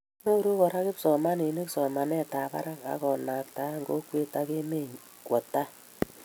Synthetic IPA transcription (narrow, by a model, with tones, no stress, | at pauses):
no˦ɾu˦kɔ˨ɾa˦kɪ˦psɔ˨ma˦ne˨nɪ˦ksɔ˨ma˨nɛ˦ta˨pa̰˦ɾa˦ŋa̰˨kɔ˨na˨k̚ta˦ŋɡo̰˦kwe˦ta˦ke˦me˦ɲ | kwɔ˨ta˦